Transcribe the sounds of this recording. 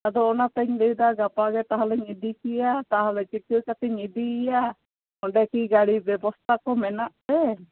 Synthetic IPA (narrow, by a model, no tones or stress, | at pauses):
ad̪ɔːnat̪ɛɲd̪ɛjud̪aɡapaɡɛt̪aɦalɛɲid̪ikijat̪aɦalɛt͡ʃiʈujkat̪ɛɲid̪iːja | ɔɳɖɛkiɡaɽibjɛbɔst̪ʰakɔmɛnaʔt̪ɛ